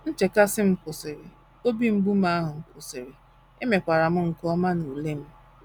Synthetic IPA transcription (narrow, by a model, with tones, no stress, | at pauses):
n̩˦t͡ʃe˨ka˦sɪ˦m̩˦pʊ˨sɪ˨ɾɪ˨ | o˦bi˦m̩˦bu˦ma˦a˦ɦʊ˨m̩˨pʊ˨sɪ˨ɾɪ˨ | e˦me˨kʷa˨ɾa˨m̩˦ŋ̩˨kɔ˦ma˦nu˨le˦m̩˦